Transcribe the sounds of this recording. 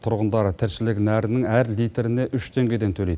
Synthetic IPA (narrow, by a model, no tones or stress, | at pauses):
t̪ʰʊɾʁənd̪ɑɾt̪ʰɪɾʃɪlɪknæɾɪnɪŋæɾlijt̪eɾɪne̞ʔʏʃt̪ʰe̞ŋɡʲe̞d̪e̞nt̪ʰɵlejd̪ɪ